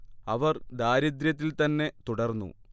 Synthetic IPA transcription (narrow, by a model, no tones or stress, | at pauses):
ɐʋɐrd̪aːɾɐd̪ɾjɐt̪̬ːilt̪ɐnːe̞t̪uɽɐrnːṵ